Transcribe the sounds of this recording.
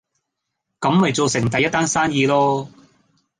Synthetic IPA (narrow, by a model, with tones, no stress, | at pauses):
kɐ˨˥mhɐ˨jt͡so˨wsɪ˨˩ŋt̪ɐ˨jːɐ˥t̪̚aː˥nsaː˥njiː˧lɔː˥